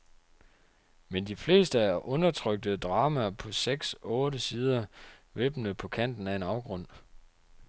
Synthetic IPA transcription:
mend̥ifle̝̰ːsd̥əæɐʔɔ̽nɐt͡sʰʁœɡ̥̚d̥əd̥ʁɑ̈ːmæpʰɒ̽seɡ̥sɔ̽ːɾəsiːð̞ˠɐʋeb̥n̩əpʰɒ̽kʰæn̰d̥n̩æɐe̝nɑ̈ʊɡ̥ʁɔ̽n̰

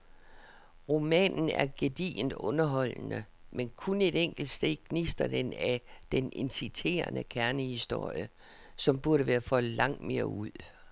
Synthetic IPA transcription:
ʁo̝mɛ̰ːnn̩æɐɡ̥e̝d̥ḭːnd̥ɔ̽nɐɦɒ̽l̰nə | menkʰune̝ɾ̥eŋ̰ɡ̥l̩d̥sd̥e̝ðkʰnisd̥ɐd̥enæd̥ene̝nsit͡sʰe̝̰ːɐnəkʰæɐnəhisd̥o̝ɐ̰jə | sɒ̽mb̥uɐɾəʋæːɐfɒ̽lɑ̈ŋ̰d̥me̝ːɐuð̞̰ˠ

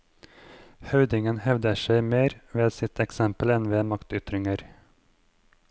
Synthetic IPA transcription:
hɑʉd̪ɪŋənhɛʋd̪əʂæɪmeːɾʋeːd̪sɪt̪ʰɛksɛmpəlɛnʋeːmɑkt̪ʏt̪ɾɪŋəɾ

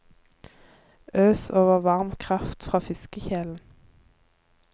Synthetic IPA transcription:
ʔøːsoːʋəʁʋɑʁmkʰʁɑft̪fʁɑːfɪskəçeːln̩

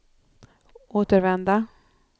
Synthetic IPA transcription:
oːt̪əɾvɛnd̪a

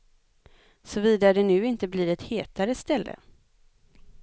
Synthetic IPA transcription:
sɔviːd̪aɾɖ̪ɛnʉ̟ːɪnt̪əbliːɾɛt̪heːt̪aɾəst̪ɛlːʔə̰

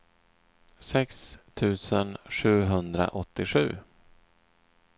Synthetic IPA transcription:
sɛkst̪ʰʉ̟ːsənɧʉ̟ːɦɵnd̪ɾa̰ʔɔt̪ːɪɧʉ̟ː

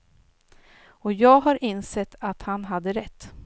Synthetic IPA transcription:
ɔjɑːɡɦaɾʔɪnsɛt̪ʰːat̪hanɦad̪ːəɾɛt̪ː

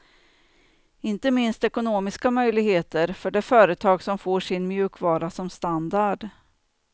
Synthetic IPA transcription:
ɪnt̪əmɪnst̪ɛkʊnoːmɪskamœjlɪɡheːt̪əɾfœɖɛfœːɾət̪ʰɑːɡsɔmfoːʂɪnmjʉ̟ːkvɑːɾasɔmst̪and̪aɖ

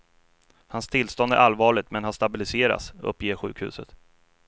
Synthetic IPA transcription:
hanst̪ʰɪlːst̪ɔnd̪æ̰ʔalvɑːɭɪt̪mɛnhast̪abɪlɪseːɾa̰t̪sɵ̰pːjeːɾɧʉ̟ːkhʉ̟ːsə̰t̪

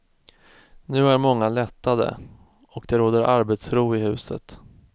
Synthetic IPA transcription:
nʉ̟ːæɾmɔŋːalɛt̪ːad̪ə̰ | ɔkd̪ɛɾoːd̪əɾʔaɾbet̪sɾuːɪhʉ̟ːsə̰t̪

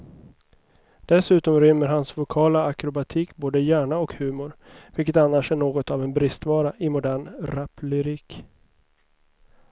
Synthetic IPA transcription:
d̪̥ɛsʉ̟ːt̪ɔmɾʏmːəɾɦansvʊkʰɑːlaːkɾʊbat̪ʰiːkboːd̪əjæːɳaɔkhʉ̟ːmʊɾvɪlkət̪anːaʂæɳoːɡɔt̪avɛnbɾɪst̪vɑːɾaʔɪmʊd̪æːɳɾaplʏɾiːk

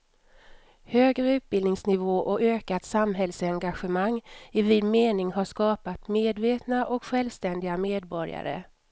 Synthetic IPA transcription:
høːɡɾʉ̟t̪̚bɪld̪nɪŋsnɪvoːʔɔøːkat̪samɦɛlsɛŋɡaɧəmaŋːɪvɪd̪meːnɪŋɦaʂkɑːpat̪meːd̪veːt̪naʔɔkɧɛlvst̪ɛnd̪ɪɡameːd̪bɔɾja̰ɾə̰

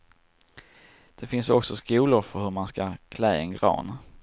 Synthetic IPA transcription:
d̪̥ɛfɪnsɔksɔskuːlʊɾfœɾhɵɾmanskakʰlɛːɛnɡɾɑ̰ːn

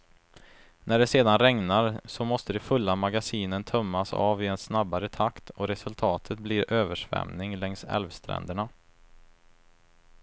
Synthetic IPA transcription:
næɖɛseːd̪anɾɛŋnaɾsɔmɔst̪əd̪ɛfɵlːamaɡasiːnənt̪ʰœmːasa̰ːvɪɛnsnabːaɾət̪ʰakt̪ʰɔɾɛsɵlt̪ʰɑːt̪ʰət̪̚bliɾøːvəʂvɛ̰mnɪŋlɛŋsɛ̰lvst̪ʰɾɛ̰nd̪əɳa

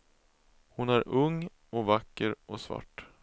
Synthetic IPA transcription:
hʊnæɾɵŋː | ɔvakːəɾʔɔsva̰ʈː

